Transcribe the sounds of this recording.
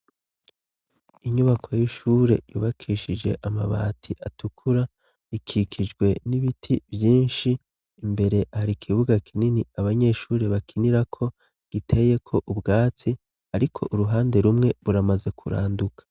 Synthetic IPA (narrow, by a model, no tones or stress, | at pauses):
iɲuβakʰo̞jiʃuːɾe̞̰jṵːβakʰiːʃid͡ʒe̞̰ʔama̰βa̰ːtʰiʔatukʰuɾa | ikʰikʰid͡ʒɡwe̞niβitʰivjiːnʃiː | mbe̞ɾe̞ʔahaɾikʰiβuɡakʰininiaβaɲe̞ʃuːɾe̞βakʰiniɾakʰo̞ | ɡ̥itʰe̞je̞kʰo̞ʔubɡaːt͡si | aɾikʰo̞̰ʔuɾuɦaːnde̞ɾumŋe̞βuɾamaze̞kʰuɾa̰ːndukḁ